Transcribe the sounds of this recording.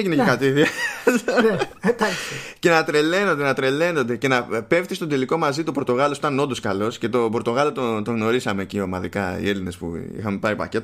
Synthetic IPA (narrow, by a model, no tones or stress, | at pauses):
ʝinecekɐt̪iðiɐ | ce̞nɐt̪ɾe̞le̞no̞nd̪e̞nɐt̪ɾe̞le̞no̞nd̪e̞ce̞nɐpe̞ft̪ist̪o̞nd̪eliko̞mɐzit̪uopɾot̪o̞ɣɐlo̞sot̪ɐno̞nd̪oskɐlo̞sce̞t̪o̞boɾt̪o̞ɣɐlot̪ot̪oɣno̞ɾisɐme̞ːciomɐðikɐḭe̞line̞spṵḭxɐme̞pɐɾipɐ̰ce̞t̪